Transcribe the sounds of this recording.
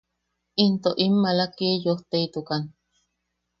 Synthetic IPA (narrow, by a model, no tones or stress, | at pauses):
int̪oʔimːalakiejoht̪eit̪ukan